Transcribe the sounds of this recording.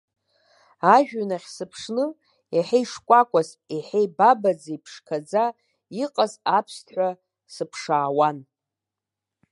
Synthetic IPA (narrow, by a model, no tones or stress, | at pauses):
aʒᶣanaχʲsɨpʰʂnɨ | eħejʂkʷʼakʷʼas | eħejbabad͡zejpʰʂkʰad͡za | iqʼazapʰstʰħʷa | sɨpʰʂaːwan